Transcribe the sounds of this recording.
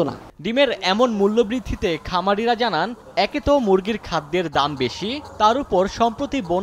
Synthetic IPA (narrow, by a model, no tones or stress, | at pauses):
ona̰ | ɖimeɾɛmonmulːobɾid̪ʱːit̪ekʰamaɽiɾad͡ʑanan | ɛket̪omuɾɡiɾkʰad̪ːeɾd̪ambeʃit̪aɾupoɾʃɔmpɾot̪ibon